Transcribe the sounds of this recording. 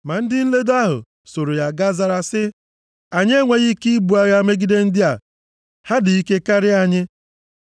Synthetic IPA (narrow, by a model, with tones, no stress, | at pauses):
ma˨n̩˦dɪ˦n̩˦le˦da˦ɦʊ̰˨ | so˨ɾo˨ja˨ɡa˦za˦ɾa˦sɪ˦ | a˨ɲe˦ŋʷe˦ɣi˦ki˦bu˨a˨ɣja˦me˦ɡi˦de˦n̩˦dɪ˦a˨ | ha˦dɪ˨i˦ke˦ka˦ɾɪ˦a˨ɲɪ˦